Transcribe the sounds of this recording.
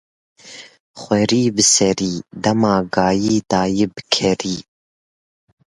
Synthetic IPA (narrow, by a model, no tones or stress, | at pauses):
χʷɛɾiːbɨsɛɾiːd̪ɐmɑːɡɑːjiːd̪ɑːjibɨkʰɛɾiː